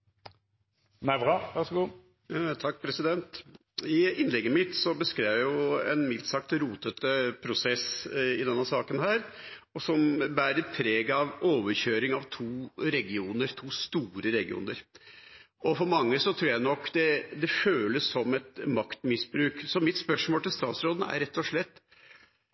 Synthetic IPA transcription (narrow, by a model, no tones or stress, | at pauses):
næbʁɑːʋæʁʂɔɡuː | t̪ʰɑk̚ːpʰɾɛsɪd̪ɛnt̪ | ɪɪnːlɛɡːəmɪt̪sɔbəskɾæːʋjʊɛ̰nmɪlt̪sɑk̚t̪ɾuːt̪ʰət̪əpʰɾʊsɛsɪd̪ɛnːəsɑːkənɦæːɾ | ɔsɔmbæːɾəpʰɾeːɡɑʋoːʋəɾɕøːɾɪŋɑʋt̪ʰuːɾɛɡɪuːnəɾt̪ʰuːst̪uːɾəɾɛɡɪṵːnəɾ | ɔfɔɾmɑŋːəsɔt̪ʰɾuːɾjæɪnɔkːd̪ɛd̪ɛføːləsːɔmɛt̪mɑkt̪mɪsbɾʉːksɔmɪt̪spœʂmoːlt̪ɪlst̪ɑːt̪sɾoːd̪n̩æ̰ɾɛt̪ːɔʂɭɛt̪ː